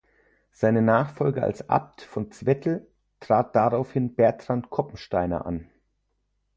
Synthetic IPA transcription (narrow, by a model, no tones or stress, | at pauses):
z̥aɪnənaːχfɔlɡəa̰lsʔa̰p̚tfɔnt͡sv̥ɛtʰl̩ | tʁ̥aːt̚d̥aʁaʊfhɪnb̥ɛɐtʁ̥antkʰɔpm̩ʃtaɪnɐ̰ʔa̰n